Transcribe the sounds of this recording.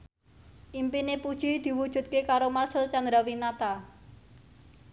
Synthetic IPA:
ʔimpinepud̥ʒ̥id̪̥i̤wud̥ʒ̥ṳt̪̚kekaɾomarsəlt͡ʃand̪ɾawinat̪a

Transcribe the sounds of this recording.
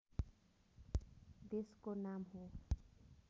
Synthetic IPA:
d̪eskonamɦo

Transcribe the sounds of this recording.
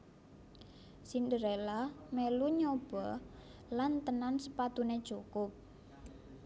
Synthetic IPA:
sindəɾelameluɲob̥ɔ | lant̪ənansəpat̪uned̥ʒ̥ukʊp̚

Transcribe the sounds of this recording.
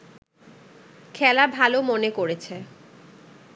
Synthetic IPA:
kʰɛlabʱalomonekoɾet͡ɕʰe

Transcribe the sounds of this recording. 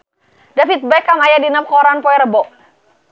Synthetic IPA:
dafit̪̚bakamajadinap̚kɔɾanpɔɛɾəbɔʔ

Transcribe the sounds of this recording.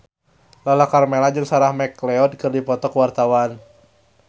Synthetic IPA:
lalakarmelad͡ʒɨŋsaɾahmɛklɛɔd̚kɨrdipɔt̪ɔkwart̪awan

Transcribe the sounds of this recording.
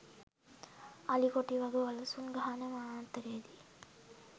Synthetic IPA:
ɐlikoʈiʋɐɡuʋɐlɐsuŋɡɐɦanəmaːnt̪əɾeed̪i

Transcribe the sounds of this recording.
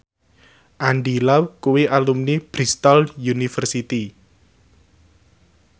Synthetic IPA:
ʔanɖilawkuwiʔalumnib̥ɾist̪aljunifərsit̪i

